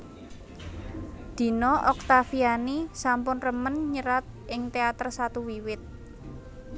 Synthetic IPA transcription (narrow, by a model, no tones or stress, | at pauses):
d̪̥i̤nɔʔɔk̚t̪afianisampʊnrəmənɲəɾat̪̚ʔɪŋt̪eat̪ərsat̪uwiwɪt̪̚